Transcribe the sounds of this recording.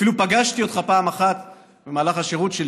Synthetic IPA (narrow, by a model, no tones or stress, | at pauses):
filupaɡaʃt̪iot̪χapaːmaχat̪ | bemaːlaχaʃe̞ʁut̪ʃel